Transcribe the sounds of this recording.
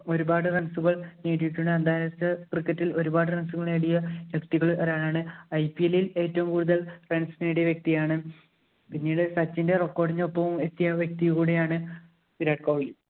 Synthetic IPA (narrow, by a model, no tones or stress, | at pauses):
oɾubaːɽɨrɐnsuɣɐɭniːʈːijiʈːuɳɖɨɐnd̪aːjjt͡ɕːɐkrikːɐtːilo̞ɾubaːɽɨrensuɣɐɭeɽijɐjɐkt̪iɣɐɭʔɐɾaːɳaːɳɨɐjpijelile̞ːtːɐʋumkuːɽuðɐɭrensinejɽejɐʋjek̚t̪ijaːɳɨ | pinːiːɽɨsɐt͡ɕːinde̞rekːo̞ːɽiɲːɐopːɐʋumet̪ːijɐʋjek̚t̪ijkuːɽejaːɳɨ | piɾaːɖ̚koːɭli